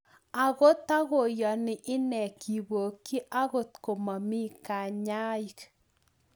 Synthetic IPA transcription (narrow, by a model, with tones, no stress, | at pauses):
a˨ɣo˦t̪a˦ɣo˨jɔ˨nɪ˨ʔɪ˦nɛ˨kʰi˨bo˨kːi˦ʔa˦ɣo˦˨t̪ko˨ma˨mɪ˦ka˨ɲa˦i˨k